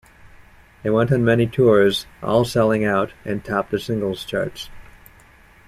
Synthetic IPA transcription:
ðeɪwɛ̃ntn̩mɛñitʰʊɹzʔɔ̰lˠsɛlˠɪ̃ŋaʊɾʔɨ̃ntʰɑp̚ðɨsɪ̃ŋɡl̩ˠz̥t͡ʃʰɑ̰ɹts

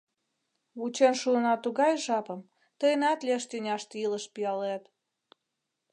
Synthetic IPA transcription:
βut͡ɕenʃuənɑt̪uɣɑjʒɑpə̆m | t̪əjnɑt̪lʲeʃt̪ynʲɑʃt̪iləʃpiɑlet̪

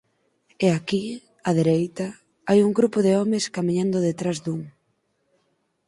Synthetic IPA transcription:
eaki | aðeɾejt̪ɐ | ajuŋɡɾupʊðeɔmɪskamĩɲãnd̪ʊðet̪ɾazðuŋ

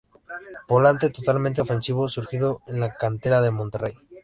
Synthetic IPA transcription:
bo̞lant̪e̞t̪ot̪almẽnt̪eofe̞nsiβ̞o̞suɾxiðo̞enlakant̪e̞ɾaðe̞mont̪erej

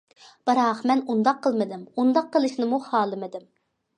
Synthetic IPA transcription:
b̥ɨɾɑqmɛnund̪ɑqʰːəlˠmɨd̪ɪmund̪ɑqʰːəlˠɨʃnɪmuhɑːlˠɨmɨd̪ɪm

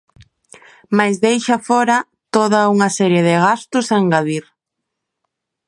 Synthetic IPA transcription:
majzðejʃɐfɔɾɐ | t̪oðɐuŋɐsɛɾjeðɪɣast̪ʊsaŋɡaðiɾ

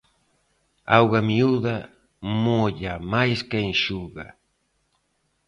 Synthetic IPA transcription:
awɣamiuða | moʎamajskɛŋʃuɣa

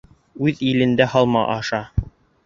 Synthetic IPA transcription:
ʉðilɘ̆nd̪æhɑlˠmɑʔɑʃɑ

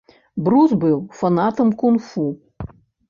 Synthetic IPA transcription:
bɾuzbɨwfanat̪ɐmkunfu

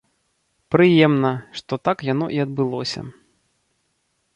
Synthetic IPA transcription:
pɾɨjɛmnɐʂt̪ɔt̪akjan̪ɔ̰ʔiɐd̪̚bɨlˠɔsʲɐ̰

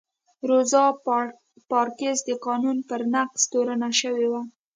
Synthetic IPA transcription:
ɾozɑ | pɑɾkezd̪əqɑnunpəɾnaqst̪oɾanaʃəwewa

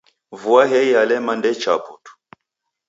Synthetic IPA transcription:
vuaɦɛialɛmandɛt͡ʃaputu̥

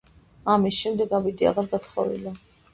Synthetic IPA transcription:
amisʃɛmd̪ɛɡabid̪ia̰ʁaɾɡat̪χɔ̰vḭla

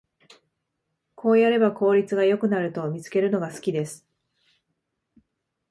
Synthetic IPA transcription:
kʰo̞ːjaɾe̞bako̞ːɾʲit͡sɨɡajo̞kɯ̟naɾɯ̟t̪o̞mʲit͡sɨ̥ke̞ɾɯ̟no̞ɡasɨ̥kʲid̪e̞sɨ̥

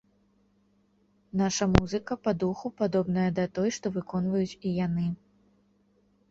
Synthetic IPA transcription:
naʂɐmuzɨkɐpad̪uxupad̪ɔbnɐjɐd̪ɐt̪ɔjʂt̪ɔvɨkɔnvɐjut͡sʲijanɨ

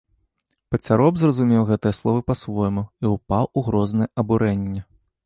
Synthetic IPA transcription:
pɐt͡sʲaɾɔbzrɐzumʲɛwɣɛt̪ɨjɐslˠɔvɨpasvɔjmuiupawuɣɾɔznɨjɛʔɐbuɾɛnʲːɛ

